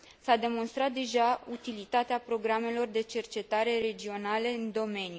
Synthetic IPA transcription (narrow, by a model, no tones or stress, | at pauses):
sad̪e̞mo̞nst̪ɾat̪̚d̪e̞ʒaut̪ilit̪at̪eapɾo̞ɡɾame̞lo̞rd̪e̞t͡ʃe̞rt͡ʃe̞t̪aɾe̞ɾe̞d͡ʒio̞nale̞ɨnd̪o̞me̞nju